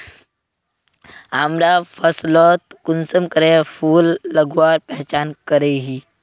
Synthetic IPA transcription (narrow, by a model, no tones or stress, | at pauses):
amɾafʰəslɔt̪̚kunsəmkəɾefʰuːlːəɡʋaːɾpɛɦt͡ʃaːnkəɾeɦiː